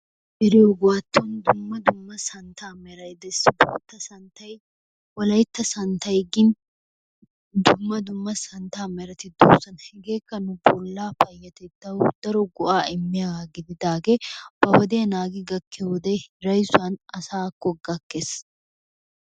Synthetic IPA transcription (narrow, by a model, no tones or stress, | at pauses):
ʔɛɾɪjɔɡʊwaːt̪ːɔnd̪ʊmːɐd̪ʊmːɐsɐnt̪aːmɛɾɐjd̪ɛsbɔ̰t̪ːɐsɐnt̪ɐj | wɔlɐjt̪ːɐsɐnt̪ɐjɡɪn | d̪ʊmːɐd̪ʊmːɐsɐnt̪aːmɛɾɐt̪ɪd̪o̰ːsːɐnhɛɡe̞ːkːɐnʊbɔlːaːfɐjːɐt̪ɛd̪ːɐwʊd̪̥ɐɾɔɡɔʔaːɪmːɪjaaːɡɪd̪ɪd̪aːɡeb̥ɐhɔd̪ɛjɐnaːɡɪɡɐkːɛwɔd̪ɛjɾɐjsʊɐnɐsaːkːɔɡɐkːes